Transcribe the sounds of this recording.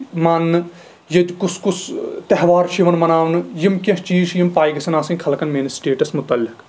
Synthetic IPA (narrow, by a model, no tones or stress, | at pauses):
mɐnː | jɐd͡ʒkuskust̪ɐɦʋaːɾʃiʋɐnmɐnaːʋnjimkɐ̃ɦt͡ʃiːʃjimpaːjɡɐsɐnaːsɐnʲkʰɐlkɐnmeːnsʈeːʈɐsmʊt̪ɐlːɪk